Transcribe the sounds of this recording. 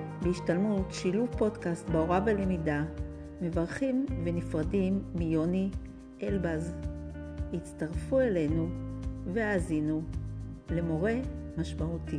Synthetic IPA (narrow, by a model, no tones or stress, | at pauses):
beiʃtalmutʃiluvpo̞dkastbeo̞ʁavelemida | me̞vaʁχimve̞nifʁadimːijo̞ni | ʔelbaz | it͡staʁfuele̞jnuve̞aːzinu | le̞mo̞ʁe̞maʃmauti